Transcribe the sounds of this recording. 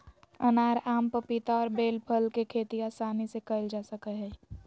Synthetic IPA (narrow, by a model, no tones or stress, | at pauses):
ənaːɾaːmpəpit̪aɔːɾbeːlpʰəlkekʰeːt̪iasaːnisekəɪld͡ʒaːsəkəɦɛː